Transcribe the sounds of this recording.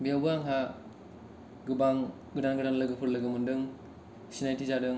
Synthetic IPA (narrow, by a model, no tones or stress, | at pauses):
biawbɯaŋɦa | ɡɯbaŋ | ɡɯdanɡɯdanlɯɡɯpʰɯɾlɯɡɯmɯndɯŋ | sinajtʰizadɯŋ